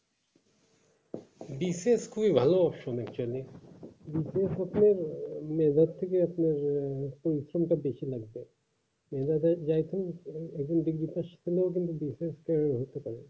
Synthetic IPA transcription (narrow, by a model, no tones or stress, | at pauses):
biseskʰubibʱaloɔpʃomɛkt͡ɕualibisesɐpneɾmɛːd̪at̪t̪ʰːekeapneɾpoɾisɾomʈabeʃilaɡbe | mɛd̪at̪d͡ʑajt̪ʰumɛkd͡ʑonɖ̪iɡɾit̪aʃt̪ʰileok̬int̪ubiseskaeɦot̪epaɾe